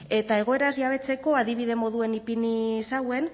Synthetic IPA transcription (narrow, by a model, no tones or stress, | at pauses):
e̞t̪ae̞ɣ̞o̞e̞ɾazʝaβ̞e̞t͡se̞ko̞aðiβ̞iðe̞mo̞ðue̞nipinisawe̞n